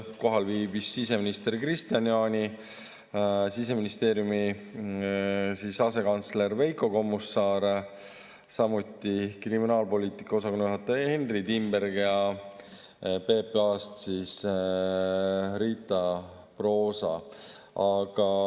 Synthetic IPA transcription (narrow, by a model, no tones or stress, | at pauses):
ko̞ɦɑlviːbisːis̬e̞minist̪e̞rkrist̪ijɑnjɑːnʲi | sis̬e̞minist̪e̞ːɾjumi | sisɑse̞kɑnt̪sle̞ɾve̞jko̞ko̞mːusːɑːɾ | sɑmut̪ˑːikriminɑːlpo̞lʲiːt̪ˑi̥kːˑɑo̞sɑkonːyɦɑt̪ːˑeenrid̪imbe̞ɾɡjɑ | pe̞ːpɑːst̪sis | ɾiːt̪ːˑɑ | pro̞ːsɑ̰ | ɑɡ̥ɑ